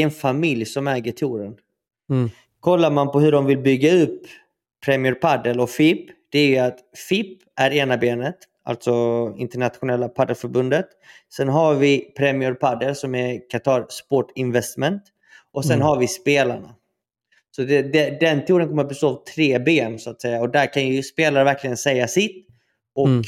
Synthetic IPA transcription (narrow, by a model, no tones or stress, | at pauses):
ɛnfamɪljsɔmæːɡəʈʰuːɾən | kʰɔlːaɾmanpɔɦɵɖɔmvɪlbʏɡːaɵpːʰ | ɾɛmɪɵɾpʰad̪əlɔfɪpːd̪̥ɛæɾjɵat̪fɪpː | æɾeːnabeːnət̪ | a̰lt̪sɔɪ̰nt̪ɛɳat̪ɧʊnɛlːapʰad̪əlfœɾbɵnd̪ət̪ | sɛnɦaɾvɪpʰɾɛmɪʊɾpʰad̪ːəlsɔmækʰat̪ʰɑːɾspɔʈɪnvɛst̪mɛnt̪ | ʔɔsɛnɦaɾvɪspeːla̰ɳa̰ | sɔd̪ɛd̪ɛd̪ɛnt̪ʰuːɾənkɔməɾat̪̚bɛst̪oːavt̪ʰɾeːbeːnsʊat̪sɛjːaɔd̪æɾkʰanjɵspeːlaɾvæɾkʰlɪɡənsɛjːasɪt̪ː | ʔɔk